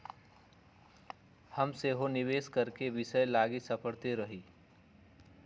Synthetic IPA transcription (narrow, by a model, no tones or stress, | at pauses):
həmseɦonɪʋeːskəɾkeʋɪʃəjlaːɡisəpəɽt̪eɾəɦiː